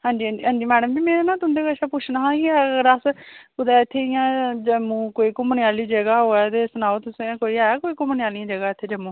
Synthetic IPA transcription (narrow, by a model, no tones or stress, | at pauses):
ɦãːɲd͡ʒiːə̃d͡ʒiɦãːɲd͡ʒiːmɛːɽəmd͡ʒiːmeːɾenãːt̪ʊnd̪eːkəʃaːpʊt͡ʃʰnãːɦãːkiːɾəspʊd̪aːɪt̪ʰːeːɪjãːd͡ʒəmũːkoːiːkʊməɳɪjaːliːd͡ʒəɡaːɦoːɛːt̪eːsʊnaːot̪ʊsãːkoːiːaːjaːkoːiːkʊmənɪjaːlɪijãːd͡ʒəɡaːɪt̪ʰːeːd͡ʒəmːũː